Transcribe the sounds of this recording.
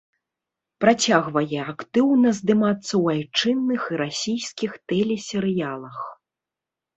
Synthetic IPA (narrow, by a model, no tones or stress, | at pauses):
pɾat͡sʲaɣvɐjɛakt̪ɨwnɐzd̪ɨmat̪sːɐwajt͡ʂɨnːɨxiɾasʲijskʲixt̪ɛlʲɛsʲɛɾɨjalˠɐx